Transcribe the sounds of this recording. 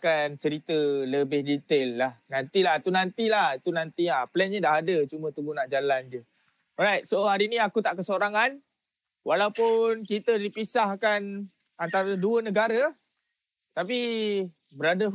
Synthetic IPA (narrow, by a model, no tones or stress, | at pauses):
kant͡ʃəɾit̪ələbɪhdit̪elːahnant̪ilaɦit̪unant̪ilahit̪unant̪iaplɛnɲədaɦadət͡ʃumət̪ubunaʔd͡ʒaland͡ʒu | ɔɾajt̪̚sohaɾiniakut̪aʔkəsoɾaŋan | walawpʊnkit̪ədipisahkan | ant̪aɾəduənəɡaɾə | t̪api | bəɾadə